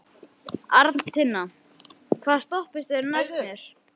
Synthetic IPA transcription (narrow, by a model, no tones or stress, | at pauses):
aɾt̪nt̪ʰɪnːa | kʰvaːðst̪ɔhpɪst̪ɛɾnajsmjɛɾ̥